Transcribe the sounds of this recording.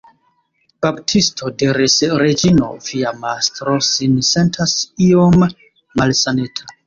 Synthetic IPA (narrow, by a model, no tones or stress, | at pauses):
b̥aptʰistʰo̞deɾesɾed͡ʒino̞̰viamastɾo̞sinse̞ntʰasiomː | alsanetʰa